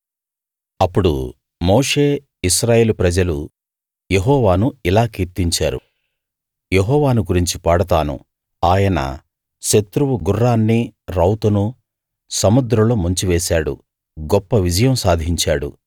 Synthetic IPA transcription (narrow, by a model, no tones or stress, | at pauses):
ɐpːuɽṵ | moːʂe̞ː | iʃɾaːje̞ːlupɾɐd͡ʒɐlu | jeɦɔːʋaːnuilaːkiːɾt̪iɲt͡ʃaːɾṵ | jeɦɔːʋaːnuɡuɾiɲt͡ʃipaːɽɐt̪aːnṵ | aːjɐnɐ̰ | ʃet̪ɾuʋuɡurːaːnːiɾɐwt̪unu | sɐmud̪ɾɐloːmuɲt͡ʃiʋeːsaːɽṵ | ɡɔpːɐʋid͡ʒɐjɐmsaːd̪ʱiɲt͡ʃaːɽṵ